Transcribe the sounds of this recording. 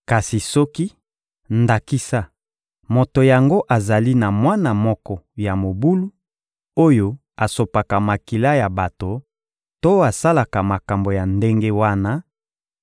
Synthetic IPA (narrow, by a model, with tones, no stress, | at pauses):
ka˨si˨sɔ˦ki˦ | nda˨ki˦sa˦ | mo˨to˨ja˨ŋɡo˦ʔa˨za˨li˦na˨mwa˦na˨mɔ˦kɔ˦ja˨mo˨bu˦lu˦ | o˦jo˦ | a˨so˨pa˨ka˨ma˨ki˨la˦ja˨ba˨to˨ | to˦a˨sa˦la˨ka˨ma˨ka˨mbo˨ja˨nde˦ŋɡe˦wa˦na˦